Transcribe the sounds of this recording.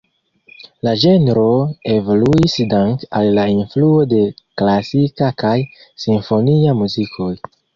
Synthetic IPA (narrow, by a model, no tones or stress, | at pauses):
lad͡ʒe̞nɾo̞evoluisdaŋkalːainfluo̞de̞klasikakaj | sinfo̞niamuzikʰo̞j